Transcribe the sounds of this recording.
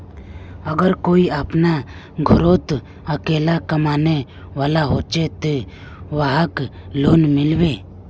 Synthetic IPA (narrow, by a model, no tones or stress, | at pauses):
əɡəɾkoiapna | ɡʱɔɾot̪ | əkelakəmane | walaɦot͡ʃet̪e | waɦək | lonmɪlbe